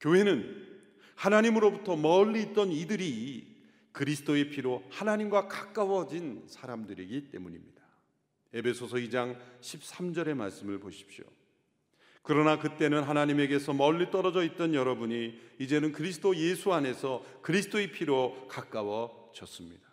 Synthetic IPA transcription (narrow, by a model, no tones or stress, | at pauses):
kjoɦe̞nɯn | hanaɲimɯɾobutʰʌmʌʎːiːt̚t͈ʌnidɯɾi | kɯɾisʰɯ̥t͈oepʰiɾohanaɲimɡwakak͈awʌd͡ʑinsʰaɾamdɯɾiɡit͈e̞muɲimɲid̥a | e̞be̞sʰosʰʌid͡ʑaŋɕʰip̚s͈amd͡ʑʌɾe̞maɭs͈ɯmɯɭboɕʰi̥p̚ɕjo̰ | kɯɾʌnakɯt͈e̞nɯnɦanaɲime̞ɡe̞sʰʌmʌʎːit͈ʌɾʌd͡ʑʌit̚t͈ʌnjʌɾʌbuɲiːd͡ʑe̞nɯnkɯɾis̬ʰɯtoje̞sʰuane̞sʰʌkɯɾisʰɯ̥t͈oepʰiɾokak͈awʌ | d͡ʑʌs͈ɯmɲid̥a